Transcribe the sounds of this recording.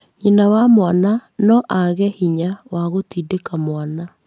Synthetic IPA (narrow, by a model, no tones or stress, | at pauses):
ɲinawamwananɔʔaɣɛhiɲawaɣotidekamwana